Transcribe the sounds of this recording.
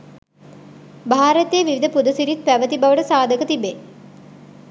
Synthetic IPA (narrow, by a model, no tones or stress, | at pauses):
bʱaːɾət̪eʋiʋid̪əpud̪əsiɾit̪̚pæʋət̪ibaʋəʈəsaːd̪ʱəkət̪ibe